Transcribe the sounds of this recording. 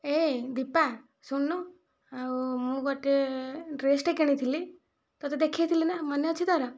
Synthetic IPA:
ed̪ipa | suɳːɔ | amũɡɔʈeɾesʈekiɽ̃it̪ʰili | t̪ɔt̪ɔd̪ekʰiet̪ʰilinamaneʌt͡ʃʰit̪aɾa

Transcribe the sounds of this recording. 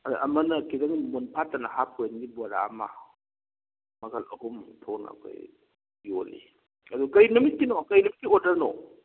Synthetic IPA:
aʔɐ̰mɐnɐkidɐŋmunpʰatɐnɐhap̚ʰojnɡibɔaɾa̰ma̰ | mɐɡalɐ̰humtʰowna̰kʰa̰j | olḭ | ɐdukɐjnumit̚kinokɐjnumit̚kiodɐɾno

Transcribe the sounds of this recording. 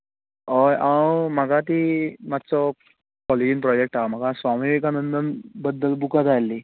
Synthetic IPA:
ɦɔjʔawmaɡʱat̪imat̪ːsɔ | kɔlid͡ʑinpɾɔd͡ʑek̚ʈam̤aɡasʋamiʋikanənt̪əɾbəd̪ːəlbukat̪ajlːi

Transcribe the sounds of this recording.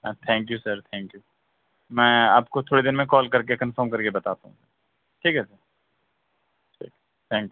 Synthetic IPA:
t̪ʰɛ̃ːŋk̬jusəɾt̪ʰɛ̃ːŋkjuː | mɛ̃ːa̰ːpkot̪ʰoːɽed̪ɪnmẽkɔːlkɐɾkekɐ̃nfəːɾmkɐɾkebɐt̪aːt̪aɦṵ̃səɾ | ʈʰiːkɦɛsɐɾ | ʈʰḭːk | t̪ʰɛ̃ːŋkju

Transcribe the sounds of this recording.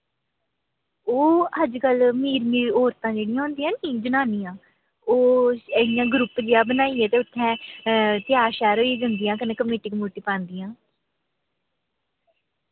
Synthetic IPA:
oːəd͡ʒkəlmiːɾmiːɔːɾt̪ãːd͡ʒeːɽijãːɦʊ̃nd̪iːãːniːd͡ʒənaːniːãː | oːəijãːɡɾʊpd͡ʒeːaːbənaːiːɛːt̪eːʊt̪ʰːɛ̃ːt̪ɪjaːʃaːɾoːiːd͡ʒənd̪ijãːkəneːkəmeːʈiːkmoːʈiːpãːnd̪ijãː

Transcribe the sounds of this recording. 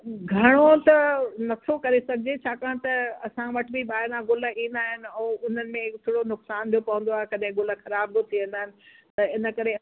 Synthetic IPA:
ɡʱɐɽ̃ot̪ɐnɐt̪ʰokɐɾesɐɡʱɪd͡ʑet͡ɕʰaːkãːɽ̃t̪ɐɐsãʋɐʈbiɓaːɦɪɾãɡʊlə̆ĩːnd̪aːɦɪnɪ̆ɛːʊn̤ənɪ̆mẽkt̪ʰoːɽonʊksaːnb̪ʰijopɐɦʊ̃n̆d̪oaːɦekɐɗɦɪ̃ɡʊlə̆xɐɾaːb̚bɪt̪ʰiʋɐ̃n̆d̪aːɦɪnɪ̆t̪ɐɪnə̆kɐɾe

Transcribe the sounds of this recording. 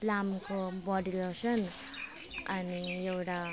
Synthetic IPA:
lamkobɔɖilosʌn | anijewʈa

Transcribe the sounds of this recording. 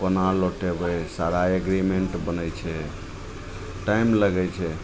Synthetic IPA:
pənaɾloʈebɛsaɾaeɡɾimeɳʈbənəjt͡ʃʰɛ | ʈajmləɡɛt͡ʃʰɛ

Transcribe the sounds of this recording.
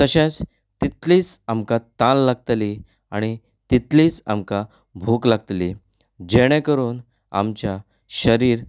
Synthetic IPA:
t̪əɕẽt͡s | t̪it̪liːt͡samkat̪ãlːaɡ̚t̪li | a̰ɽ̃i | t̪it̪liːt͡sa̰mka | bʱoklaɡ̚t̪li | d͡ʑeɽ̃ɛ̃kəɾuːn | a̰mt͡ɕja | ɕəɾiːɾ

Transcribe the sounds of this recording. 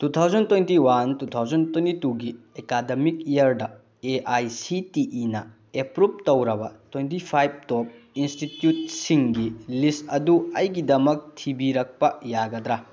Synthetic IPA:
tut̪ʰawzɐntwentiwantut̪ʰawzɐntwentituɡi | ekademikijɐɾdɐ | eʔajsitiʔːnɐ̰ | epɾup̚tɐwɾɐbɐ̰twentipʰajb̚top̚ | institjut̚siŋɡilistɐduɐjɡidɐmɐk̚tʰibiɾɐk̚pɐjaɡɐd̪ɾa

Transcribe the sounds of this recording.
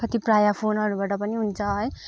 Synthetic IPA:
kʌt̪iprajapʰonʌɾubaʈʌpʌniɦunt͡sʰʌɦʌj

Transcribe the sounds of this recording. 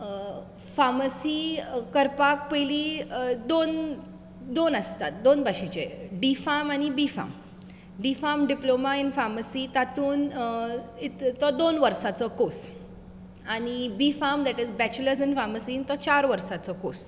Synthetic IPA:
faməsikəɾpak̚pəjlid̪on | d̪onəst̪at̪̚d̪onbaɕit͡ɕḛɖifamañibifa̰m | ɖifamɖiplomainfaməsit̪at̪uːn | it̪t̪ɔd̪onʋəɾsat͡sɔkos | aɽ̃ibifamd̪ɛʈizbɛt͡ɕləɾsinfaməsiːnt̪ɔt͡ɕaɾʋəɾsat͡sɔkos

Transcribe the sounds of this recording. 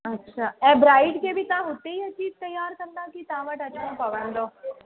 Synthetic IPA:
ɐtːʃʰaːɛ̃bɾaːɪɖkebʱit̪ãɦoːt̪eiɐt͡ʃiːb̚t̪ɐjːaːɾkɐmd̪ãkit̪ãːʋəʈɐt͡ʃʰãpɐʋənd̪oː

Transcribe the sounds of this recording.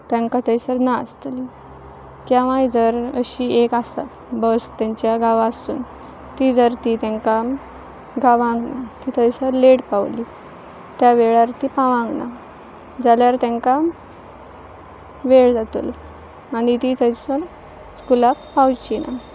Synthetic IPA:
t̪ãŋkat̪əjsəɾna̰st̪əli | kjaʋ̤ãjd͡zəɾəɕiekasa̰t̪ | bəst̪jãɲt͡ɕjaɡaʋaəsṵːn | t̪id͡zəɾt̪it̪ɛ̃ŋka | ɡaʋãŋɡnat̪it̪əjsəɾleɽpaʋli | t̪jaʋeɭaɾt̪ipaʋãŋɡna̰ | d͡zaljaɾt̪ɛ̃ŋka | ʋeɭd͡zat̪ṵl | aɽ̃it̪it̪əjsəɾ | skulakpawt͡ɕina̰

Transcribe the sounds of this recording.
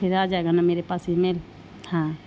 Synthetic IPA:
eɾad͡ʒaeɡanameɾepasimel | hã

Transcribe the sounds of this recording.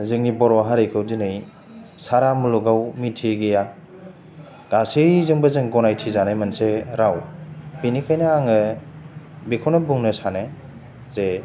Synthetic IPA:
zɯŋibɔɾwaɦaɾɯjkʰɯwdinɯj | saɾamuluɡawmitʰiɡeja | ɡ̥asɯjzɯŋbɯzɯŋɡɔnajtʰizanajmanseɾawbinikʰajnɯaŋɯ | bikʰɔnɔbuŋnɯsane | ze

